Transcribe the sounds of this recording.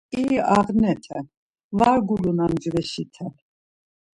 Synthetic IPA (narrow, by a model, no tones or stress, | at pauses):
iaʁnɛt̪ʰɛ | vaɾɡulunamd͡ʒvɛʃit̪ʰɛ